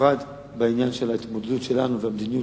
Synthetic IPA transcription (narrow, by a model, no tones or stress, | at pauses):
ad̪ | beinjanʃe̞lait̪mo̞d̪ed̪ut̪ʃe̞lanuveamd̪iniju